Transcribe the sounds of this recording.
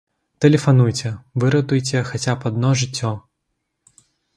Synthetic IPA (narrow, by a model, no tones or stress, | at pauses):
t̪ɛlʲɛfanujt͡sʲɛvɨɾɐt̪ujt͡sʲɛxat͡sʲapɐd̪nɔʐɨt͡sʲːɔ